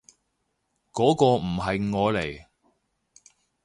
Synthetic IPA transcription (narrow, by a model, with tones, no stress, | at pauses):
kɔː˨˥kɔː˧m̩˨˩ɦɐ˨jŋɔː˨˧le˨˩j